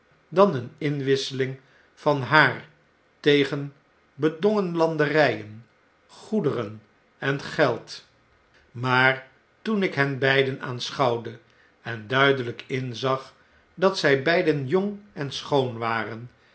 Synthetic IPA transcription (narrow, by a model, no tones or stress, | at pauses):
dɑnənɪnʋɪsəlɪŋ | fɑnɦaːr | tejχən | bədʋoŋənlɑndərɛjən | χudərən | ɛnχɛlˠt | maːɹ | tunɪkɦɛnbɛjdəna̰ːnsχɑwdə | ɛndœɥdələkɪnzɑχ | dɑtsɛjbɛjdənjʊŋɛnsχownʋaːrən